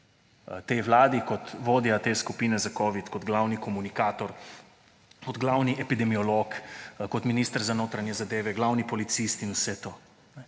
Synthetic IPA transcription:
t̪eʋlaːd̪ikɔt̪ʋoːd̪jat̪eːskupiːnɛzakɔːʋit̪kɔd̪ɡlawnikɔmunikaːt̪ɔɾ | kɔd̪ɡlawniʔɛpid̪ɛmiɔloːkkɔt̪miniːst̪əɾzanoːt̪ɾanjɛzad̪eːʋɛɡlawnipɔlit̪sist̪inusɛt̪oː | nɛ

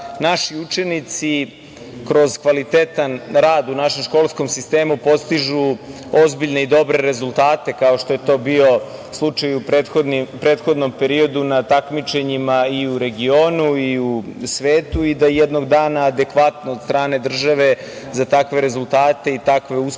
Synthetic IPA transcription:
naʃiut͡ʃe̞nit̪si | kɾo̞zkʋalit̪e̞t̪anɾaːd̪unaʃe̞mʃko̞ːlˠsko̞msist̪eːmupo̞st̪iʒu | ozbiʎne̞id̪o̞bɾe̞ɾe̞zulˠt̪aːt̪e̞kao̞ʃt̪ojet̪o̞ːbio̞slˠut͡ʃajupeod̪nipɾeːt̪xo̞d̪no̞mpe̞ɾio̞d̪unat̪akmit͡ʃe̞ɲimaiuɾe̞ɡio̞ːnuiusʋeːt̪uid̪ajɛd̪no̞ɡd̪aːnaːd̪e̞kʋat̪nood̪st̪ɾaːne̞d̪r̩ʒaʋe̞ | zat̪akʋe̞ɾe̞zulˠt̪aːt̪e̞it̪akʋe̞us

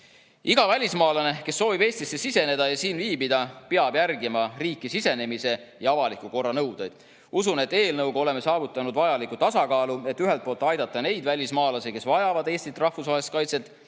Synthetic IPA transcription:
iɡ̥ɑvælʲismɑːlɑne̞ke̞sːoːvibe̞ːsʲt̪isːesise̞ne̞d̪̥ɑjɑsiːnviːbid̪̥ɑpeɑb̥jærɡimɑriːkˑːisise̞ne̞mise̞ | jɑɑvɑlikːˑuko̞rːɑnɤwd̪̥ejd̪̥ | usune̞t̪ːe̞ːlnɤwɡ̥o̞le̞me̞sɑːvut̪ːˑɑnud̪vɑjɑlikːˑut̪ɑsɑkɑːlue̞t̪ːyɦelt̪̚poːlt̪ːˑɑjd̪̥ɑt̪ˑːɑne̞jd̪vælʲismɑːlɑseke̞svɑjɑvɑd̪e̞ːsʲt̪it̪rɑhfusvɑest̪̚kɑjt̪se̞t̪ːˑ

